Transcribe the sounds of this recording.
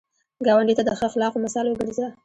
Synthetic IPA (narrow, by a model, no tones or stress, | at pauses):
ɡɑwaɳɖit̪ad̪əxəxlɑfomasɑlwəɡəɾza